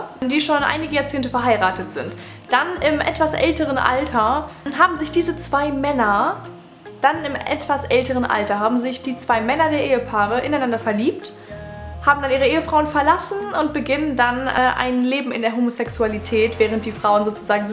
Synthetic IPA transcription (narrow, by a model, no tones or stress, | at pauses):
diːʃoːnʔa̰ɪnɪɡəjaːt͡seːntəfɛɐɦaɪʁaːtətz̥ɪnt | d̥anʔɪmʔɛ̰tv̥asʔɛ̰ltəʁ̞ənʔa̰ltʰɐɦaːbm̩zɪçd̥iːzət͡sv̥aɪmɛnɐ | d̥anɪmʔɛ̰tv̥asʔɛltəʁ̞ənʔa̰ltɐɦaːbm̩zɪçd̥iːt͡sv̥aɪmɛnɐdeːɐʔeːəpʰaːʁ̞əʔɪnaɪnandɐfɛɐliːp̚t | haːbm̩daniːʁəʔeːəfʁ̥aʊənfɛɐlasn̩ʊntb̥əɡɪnəndanɛʔa̰ɪnleːbm̩ɪ̰ndeːɐɦoːmosɛksualitʰɛːtv̥ɛːʁ̞ənt̚d̥iːfʁ̥aʊənzoːt͡suzaːɡŋ̩